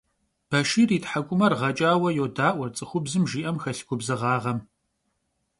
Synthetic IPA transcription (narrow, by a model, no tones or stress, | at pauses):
b̥ɐʃiːriːtħakʷʼʊmɐrʁɐt͡ʃʼaːwɐjoːdaːʔʷɔrt͡sʼɨxʷʊbzɨmʒiːʔɐmxɐɬɡʷʼʊbzɨʁɑːʁɐm